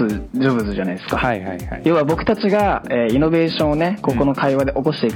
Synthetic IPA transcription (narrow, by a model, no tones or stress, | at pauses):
ɨd͡ʑobɯ̟t͡sɨʑanaid̪e̞sɨ̥kahaha̰jo̞ːβabo̞kɯ̟̥t̪at͡ɕiɡaeːino̞be̞ːɕõɰ̃one̞ko̞ko̞no̞kʰaiβad̪e̞ʔo̞ko̞ɕi̥t̪e̞ik